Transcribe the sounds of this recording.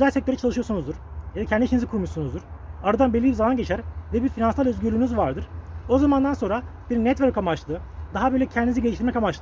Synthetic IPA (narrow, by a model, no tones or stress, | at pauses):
øzælʲsɛc̚t̪ʰø̞ɾɛt͡ʃʰalˠɯʃɯjosunuzd̪uɾ̥jad̪acʰɛnd̪iniʃʰinizikʰuɾmuʃsunuzd̪uɾ̥aɾad̪anbelʲːibizalˠanɟet͡ʃʰæɾvɛbiɾfinansalˠøzɟyɾlʲyːnyzvaɾd̪ɯɾ̥o̞zamand̪anso̞nɾabiɾnɛt̪vøɾkamat͡ʃlˠɯd̪aɦabø̞jlʲɛcʰɛnd̪iniziɟelʲiʃt̪iɾmɛkamat͡ʃlˠ